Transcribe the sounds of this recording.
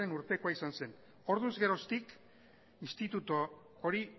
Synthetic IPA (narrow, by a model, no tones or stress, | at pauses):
e̞nuɾt̪e̞koaisanse̞n | o̞ɾðunzɣe̞ɾo̞st̪ik | inst̪it̪ut̪o | oɾi